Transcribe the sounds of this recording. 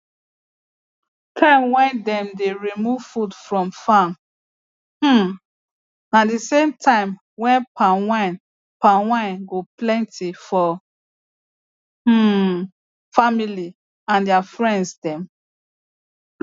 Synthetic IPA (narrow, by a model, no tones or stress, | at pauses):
tʰãɪ̃mwɛ̃ndɛ̃mdeɹimuvfudfɹɔ̃mfãm̩ | nadisẽmtʰãɪ̃m | wɛ̃npʰãwãn | pãwãɪ̃nɡoplɛ̃ntʰifɔ | famili | ãndɛafɹɛ̃ndsdɛ̃m